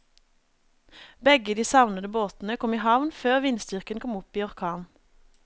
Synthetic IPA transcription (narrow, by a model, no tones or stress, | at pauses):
bɛɡəd̪iːsɑʋnəd̪əboːt̪n̩əkʰɔmiːhɑʋnføːʁʋɪnsd̪ʏʁkənkʰɔmʊpiːɔʁkʰɑːn